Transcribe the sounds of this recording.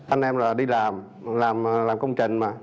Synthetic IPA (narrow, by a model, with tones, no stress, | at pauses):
ʔa˧nʔɛ˧mlaː˨˩ɗi˧laː˨˩m | laː˨˩m˨laː˨˩mkə˧wŋ͡mt͡ɕï˨˩ŋ̟maː˨˩